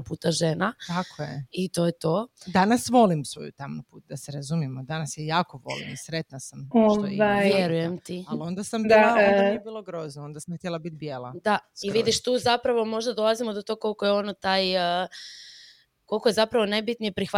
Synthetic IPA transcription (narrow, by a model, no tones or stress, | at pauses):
puːt̪aʒeːnat̪akʰojeit̪o̞jet̪o̞d̪anasʋo̞limsʋo̰jut̪amnapuːt̪̚d̪aseɾazumjemod̪anasjejaːkoʋo̰lˠḭmisɾet̪nasamot̪oajʋjeɾujemt̪ialond̪asamd̪aaonaebiːlˠoɡɾoznoond̪asamxt̪jelˠabit̪bjelˠad̪aiʋid̪iʃt̪uːzapɾaʋo̞mo̞ʒd̪ad̪o̞lˠazimod̪o̞t̪o̞ɡkolˠkojeo̞not̪aːj | ko̞lˠko̞je̞zapɾaʋo̞najbit̪nijepɾixʋa